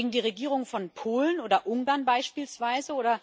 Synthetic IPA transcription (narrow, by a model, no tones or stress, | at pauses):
ɡŋ̩diːʁ̞eɡiːʁ̞ʊŋfɔnpʰoːlənoːdɐʔʊŋɡaːɐnbaɪʃpiːlsv̥aɪzəoːdɐ